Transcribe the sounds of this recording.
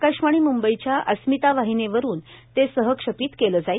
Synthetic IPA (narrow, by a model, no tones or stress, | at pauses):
kaʂmaɽ̃iːmumbəjt͡ɕjaʔəsmit̪aʋaɦineʋəɾuːnt̪esəɦəkʂəpiːt̪keləːd͡zaj